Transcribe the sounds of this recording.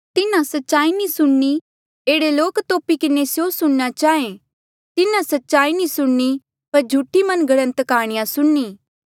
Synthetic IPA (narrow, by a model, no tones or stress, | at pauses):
t̪ɪnãsɐtːʃaːinĩsʊɽni | eːɽeloːkt̪oːpikɪnesjosʊɽnat͡ʃaːẽ | t̪ɪnãsɐtːʃaːinĩsʊɽni | pɐɾd͡ʒʱuːʈʰːimɐnɡɐɽ̃ə̃nt̪kaːɽ̃ɪjãsʊɽniː